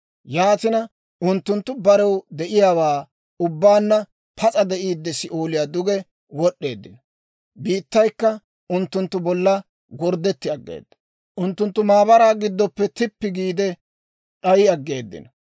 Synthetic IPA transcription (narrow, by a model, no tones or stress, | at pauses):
jaːt̪ɪnɐ | ʊnt̪ːʊnt̪ːʊbɐɾɛwd̪ɛʔɪjaːwaː | ʊbːaːnːɐ | pʰɐt͡sʼɐd̪ɛʔiːd̪ːɛsɪʔoːlɪjaːd̪ʊɡɛ | wɔɗːe̞̰ːd̪ːɪn | biːt̪ːɐjkːɐ | ʊnt̪ːʊnt̪ːʊbɔlːɐ | ɡɔɾd̪ːɛt̪ːɪɐɡːḛːd̪ːɐ̥ | ʔʊnt̪ːʊnt̪ːʊmaːbɐɾaːɡɪd̪ːɔpːɛt̪ɪpːɪɡiːd̪ɛ | ᶑɐjɪɐɡːe̞ːd̪ːɪ̰nɐ